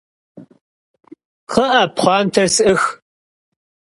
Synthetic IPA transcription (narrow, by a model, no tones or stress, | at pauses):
qʰəʔɐpχʷɑːntʰɐrsʔɨx